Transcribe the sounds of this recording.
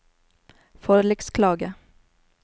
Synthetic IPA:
fɔɾlɛkskʰlɑːɡə

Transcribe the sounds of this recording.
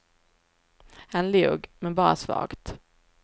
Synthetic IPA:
hanleːɡmɛnbɑːɾa̰svɑ̰ːɡ̥t̪

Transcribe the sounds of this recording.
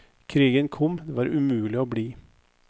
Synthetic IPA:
kʰɾiːɡənkʰɔmd̪eːʋɑːɾʉmʉːlɪoːbɽiː

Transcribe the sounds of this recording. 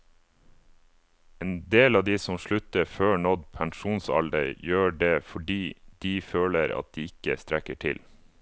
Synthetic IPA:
eːnd̪eːlɑːd̪iːsɔmʃɭʉt̪əføːɳɔd̪pʰæŋʃuːnsɑ̰ld̪ə̰ɾjøːɖeːfɔɖiːd̪̥iːføːləɾɑ̰t̪̚d̪̥iːɪkəst̪ɾækəʈʰɪ̰l

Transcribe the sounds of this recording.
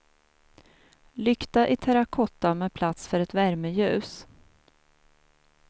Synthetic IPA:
lʏkt̪aʔɪt̪ʰɛɾakʰɔt̪ːamɛpʰlat̪sfœɾɛt̪væɾməjʉ̟ːs

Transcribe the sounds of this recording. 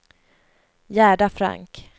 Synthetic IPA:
jæːɖafɾa̰ŋk

